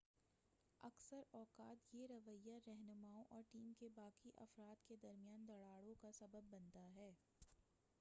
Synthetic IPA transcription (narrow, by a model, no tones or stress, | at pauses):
ɐksəɾɔːkaːt̪jeɾɐʋəjːaɾɛɦnʊmaːõʔɔːɾʈiːmkebaːkiʔɐ̰fɾaːt̪ked̪ɐɾmijaːnd̪ɐɽaːɽõkasɐbəbːɐ̃nt̪aɦɛː